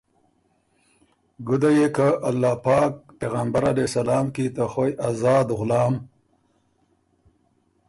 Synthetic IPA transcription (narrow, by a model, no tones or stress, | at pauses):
ɡud̪ajekaʔalːaːpɑːk̚peːɣambaɾalesɐlaːmkit̪axojazɑːd̪ɣʊlɑːm